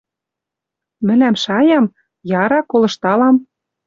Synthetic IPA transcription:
mɘ̆læmʃɑjɑm | jɑɾɑkolɤ̆ʃt̪ɑlɑm

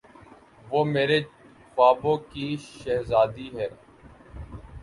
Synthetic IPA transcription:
ʋoːmeːɾeː | faːbõːkiːʃɛɦzaːd̪iːɦɛː

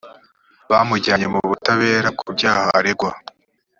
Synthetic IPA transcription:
βamuɟaɲe̞muβutaβe̞ːɾab̚kʰubɟaːhaʔaɾeɡwa

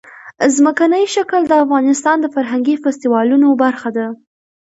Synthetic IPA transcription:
zməkanəjʃakld̪əafɣɑnɪst̪ɑnd̪əfaɾɦaŋɡifast̪iwɑlunobaɾxad̪a

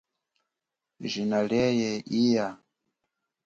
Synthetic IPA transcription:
ʒʷinalɛjɛʔija

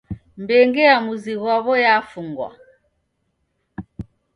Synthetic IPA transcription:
mbɛŋɡɛamuziɣwaβɔjafuŋɡwa̰

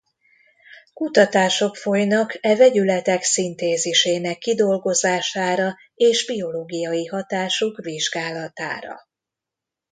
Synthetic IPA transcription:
kut̪ɒt̪aːʃo̞kfo̞jnɒkʰɛvɛɟylɛt̪ɛksint̪eːziʃeːnɛkːid̪o̞lɡo̞zaːʃaːɾɒ | eːʒbio̞loːɡijɒjiɦɒt̪aːʃokviʒɡaːlɒt̪a̰ːɾɒ̰

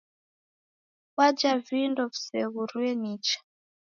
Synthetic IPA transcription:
wad͡ʒavindɔvu̥sɛɣuɾuɛnit͡ʃḁ

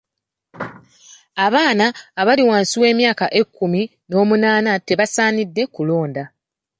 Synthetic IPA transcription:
aβaːnaːβaliwaːnsiwe̞ːmjaːkaʔe̞kːumi | no̞ːmunaːnate̞βasaːnidːe̞kulo̞ːnda

